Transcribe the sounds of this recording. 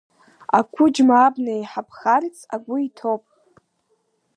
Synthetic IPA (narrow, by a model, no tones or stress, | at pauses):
a̰kʷʰʊd͡ʒmaːbnajħapʰχaɾit͡sʰaɡʷʊitʰopʼ